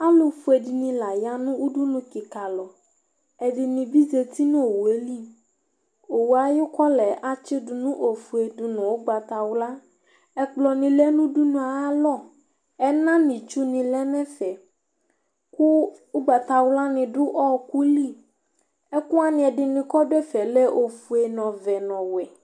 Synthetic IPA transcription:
a˦lo˨fu˨˦e˨di˨nĩ˨la˨ja˦nũ˦wu˦ɖu˦nũ˦ki˨ka˨lɔ˨ | ɛ˨dɪ˨nĩ˨bi˦ze˨t̪i˦nũ˦o˨wu˨e˦li˦ | o˨wu˨a˨jʊ˦kɔ˦lɛ˨ʔa˦t͡ʃɪ˦dʊ˨nũ˦ʔo˨fu˨e˨du˨nũ˨wo˦ɡ͡ba˨t̪a˨wla˦ | ɛ˦k͡plɔ˨nĩ˨lɛ˦nũ˦ɖu˦nũ˨a˨˦lɔ˦˨ | ɛ˦nã˦nĩ˨t͡ʃu˦nĩ˨lɛ˦nɛ̃˦fɛ˨ | ku˦u˦ɡ͡ba˨t̪a˨wla˦nĩ˨ɖʊ˦ʔɔ˦ku˦li˦˨ | ɛ˦ku˦a˦nĩ˨ɛ˨ɖɪ˨nĩ˨kɔ˦ɖɛ˦fɛ˨lɛ˦ʔo˨fu˨e˨nɔ̃˨vɛ˨nɔ̃˨wɛ˨

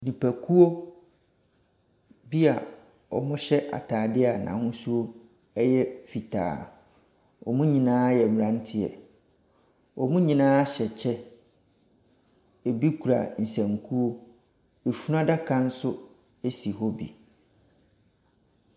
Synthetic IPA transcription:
nĩ˨pʰæ˨kʰu˦o˦ | bi˦a˨ | ɔ˨mʊ̃˦ɕɛ˦ʔa̰˨tʰaː˨dɪ˦a˨nã̰˨hʊ̃˦su˦o˦ | ɛ˦jɛ˦fi˨tʰa̰ː˨ | ɔ˨mũ˦ɲĩ˨nãː˦jɛ˨m˨ɾã˦n˦tʰɪ˦ɛ̰˨ | ɔ˨mũ˦ɲĩ˨nãː˦ɕɛ˨t͡ɕʰɛ˦ | e˨bi˦kʰu˨ɾa̰˨n̩˨sɛ̃˨ŋkʰu˦o˦ | e˨fu˦nã˦da˦kʰã˦n̩˦sʊ˦ | e˦si˨ɦɔ˦bḭ˨

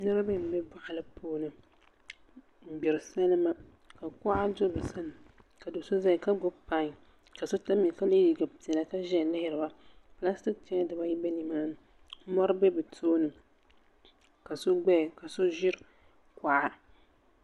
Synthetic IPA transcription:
nɨ˦ɾɨ˦bɛ˦m̩˦bɛ˦ba˦ʔa˨lɨ˦poː˦nɨ˦ | m̩˨bi˨ɾɨ˨sa˦lɨ˦ma˦ | ka˨ka˦ʔa˦do˦bɨ˨sa˦lɨ˨mka˨do˨so˦za˦˨ka˦ɡʊ˦pa˦ŋ˨ | ka˨so˦ta˦mi˨ka˦li˦ji˨ɡa˨pi˨ɛ˨la˨ka˦ʒɛ˦˨lɪ˦hɪ˦ɾɨ˨ba˦pɨ˨la˦sti˦kt͡ʃɛ˦a˦dɨ˨ba˦ji˦bɛ˦ni˨maː˦nɨ˨˦ | mɔ˦ɾɨ˦bɛ˦bɨ˨tʰoː˦nɨ˨ | ka˨so˦ɡ͡bɛ˦˨ka˨so˦ʒɪ˦ɾɨ˦ | ka˨ʔa˦

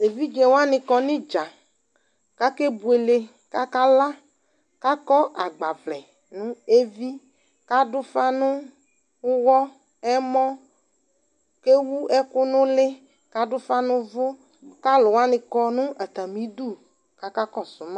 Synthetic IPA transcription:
e˨vi˦d͡ʒɛ˨wa˦nɪ̃˨kɔ˨nɪ̃˦d͡ʒa˨ | ka˦ke˦bu˨e˨le˨ | ka˦ka˦la˦ | ka˦kɔ˦ʔa˨ɡ͡ba˨vlɛ˨ | nʊ̃˦e˦vi˦ | ka˦dʊ˦fa˦nʊ̃˦ | wɔ˦ | ɛ˦mɔ̃˦ | ke˦wu˦ɛ˦kʊ˦nʊ̃˦lɪ˦ | ka˦dʊ˦fa˦nʊ̃˦vʊ˦ | ka˦lʊ˨wa˦nɪ̃˨kɔ˦nʊ̃˦a˨t̪a˨mĩ˨˦du˦˨ | ka˦ka˦kɔ˦sʊ˨˦mã˦

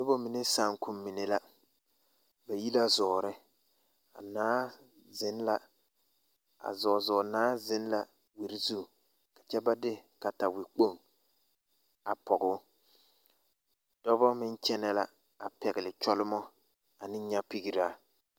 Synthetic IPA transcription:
nʊ˦bo˦mi˨ne˦sa˨ŋkʊ˦mː˦i˨ne˨la˦ | ba˨ji˦la˦zɔː˨ɾɪ˦ | a̰˨naː˦ | zɪ˦nla˦ | a̰˨zɔː˨zɔː˨naː˦zɪ˦n˦la˨ | wi˨ɾi˦zu˦˨ | ka˨t͡ʃɛ˦ba˦dɪ˦ka˨ta˨wɪ˨k͡po˦˨ŋ | a˨pɔ˨ɡʊ˦ | d̥ɔ˦bɔ˦mɪ˦nt͡ʃɛ˦nɛ˦la˨ | a˨pɛ˨ɡɪ˨lɪ˨t͡ʃɔ˦lɪ˦mɔ˦ | a˨nɪ˦ɲa˦pi˦ɡi˨ɾa˦

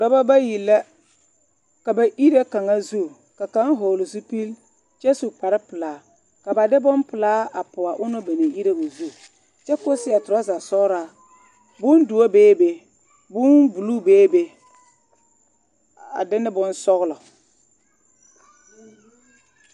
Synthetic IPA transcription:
dɔ˦ba˦ba˦ji˨lːa˦ | ka˨ba˨ʔi˦ɾa˦ka˨ŋa˦zu˦˨ | ka˨ka˦ŋ˦ɦo˨lʊ˨zu˦pi˦l | t͡ʃɛ˦su˨k͡pa˨ɾɪ˦pɨ˨laː˨ | ka˨ba˨dɪ˦bʊ˦npɨ˨laː˦a˨pʊ˨a˨ʔʊ˦nʊ˦ba˨ne˨ʔi˦ɾe˦ba˨zu˦˨ | t͡ʃɛ˦ko˦sɪ˦a˨tʊ˨ɾa˦za˨sɔ˦ɣɾa˨ | bʊ˦ndʊ˨o˦beː˦be˨ | bʊ˦nbu˨lu˦beː˦be˦ | a̰˨dɪ˦nːɪ˦bʊ˦nsɔ˦ɣlɔ˨

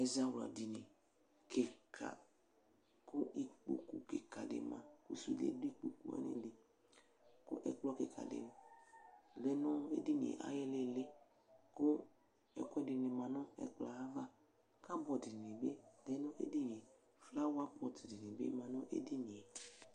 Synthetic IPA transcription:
ɛ˨za˦wla̰˨di˨ni˨ | ke˨kʰa̰˨ | ko˦ʔi˧k͡pṵ˨kṵ˨kḛ˨ka˨dḛ˨mã̰˨kṵ˦sṵ˨lḛ˦de˦k͡pu˨kṵ˦ɛ̰˦nḭ˦de˨ | kʊ̰˦ʔɛ˨k͡plɔ˦ke˨kʰa̰˨dḛ˨n˨ | lɛ˦nɔ˦ḛ˦di˦nḭ̃˨ḛ˨ʔa̰˨˦jɛ˦le˦le˦ | ko˦ | ɛ̰˨kʷɛ˦di˨ni˨mã˨nɔ˦ɛ̰˦k͡pla˨a˦va˦ | ka˦bɔ˨di˨ni˨be˦lɛ˨˦nɔ˦ʔḛ˦di˦n˨e˨ | fla˦wa˦pɔ˨ti˨di˨ni˨bḛ˦mã˨nɔ˦ʔḛ˦di˦ni˨e˨

